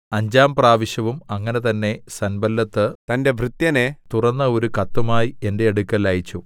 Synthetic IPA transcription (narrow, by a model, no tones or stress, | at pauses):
ɐɲd͡ʑaːmpraːʋiɕjɐʋumɐŋːɐne̞t̪ɐnːe̞sɐnbɐlːɐt̪ːɨt̪ɐnde̞ʋrɨt̪jɐnet̪urɐnːɐo̞ɾukɐt̪ːumaːjie̞nde̞ːɽukːɐlaːjit͡ɕːu